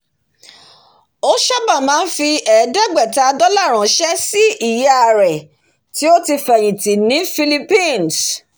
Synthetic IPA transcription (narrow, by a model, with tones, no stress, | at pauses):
o˦ʃa˦bã˦˨mãː˨˦n̩˦fi˧ɛ˨˦dɛ˦˨ɡ͡bɛ˦˨ta˦˧dɔ˦la˦˨ɾ̃ã˨ʃɛ˦si˦i˦˨jɛ˨˦a˧˨ɾɛ˨ | ti˨˦o˦ti˧fɛ˨j̃ĩ˨ti˨nĩ˨˦fi˧li˧pĩ˦˨ns